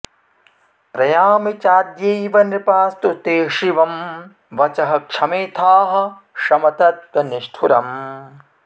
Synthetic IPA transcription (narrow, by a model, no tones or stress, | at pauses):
pɾɐjaːmit͡ʃaːd̪jejʋɐnipaːst̪ut̪eːʂiʋɐm | ʋɐt͡ʃɐɦɐkʂɐmeːt̪ʰaːɦɐ̆ | ʂɐmɐt̪ɐt̪̚kɐniʂʈʰuɾɐm